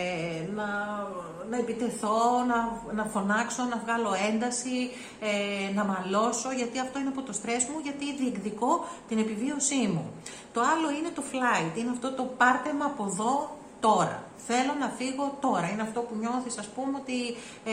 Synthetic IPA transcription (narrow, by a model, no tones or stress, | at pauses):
nɐ | nɐepit̪e̞θo̞nɐnɐfo̞nɐkso̞nɐvɣɐlo̞e̞nd̪ɐsi | enɐmɐlo̞so̞ʝɐt̪iɐft̪o̞ineɐp̬ot̪o̞st̪ɾe̞smuʝɐt̪iðiekðiko̞t̪ine̞pivio̞simṵ | t̪o̞ɐlo̞ine̞t̪o̞flɐit̪ineɐft̪o̞t̪o̞pɐɾt̪emɐːpo̞ðo̞ | t̪o̞ɾɐ̰ | θe̞lo̞nɐfiɣo̞t̪o̞ɾɐineɐft̪o̞puɲo̞θisɐspumeo̞t̪i